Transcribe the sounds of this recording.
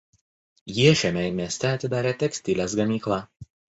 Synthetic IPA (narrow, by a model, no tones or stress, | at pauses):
jiɛʃʲɛmʲɛmʲiɛsʲt̪ʲɛɐt̪ʲɪd̪ɑːɾʲeːt̪ʲɛksʲt̪ʲɪlʲeːs̬ɡɐmʲiːklˠɑː